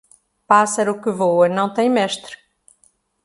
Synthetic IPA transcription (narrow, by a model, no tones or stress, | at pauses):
pasɐɾukɨvowɐnɐ̃w̃t̪ẽj̃mɛʃt̪ɾ